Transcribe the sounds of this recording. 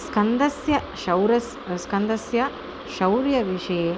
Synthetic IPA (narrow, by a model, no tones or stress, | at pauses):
skɐnd̪ɐsjɐ | ʃɐwɾɐs | skɐnd̪ɐsjɐ | ʃɐwɾjɐʋiʂɐje